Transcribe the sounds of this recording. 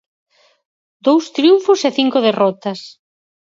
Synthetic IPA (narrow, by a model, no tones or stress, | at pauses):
d̪owst̪ɾjuɱfʊseθiŋkʊðerɔt̪ɐs